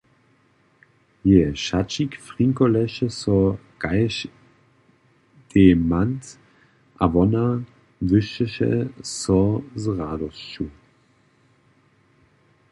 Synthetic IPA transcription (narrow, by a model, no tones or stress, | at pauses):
jeʃat͡ʃikfʁiŋkolɛʃəsɔ | ɡ̥aɪʃ | d̥emant | ʔa̰vɔna | vʏʃəʃə̰sɔzʁaːdɔst͡ʃu